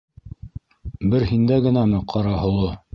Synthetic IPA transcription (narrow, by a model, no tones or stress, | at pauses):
bɘɾhind̪æɡɘ̆næmɘqʰɑɾɑhɤ̆w̪ɤ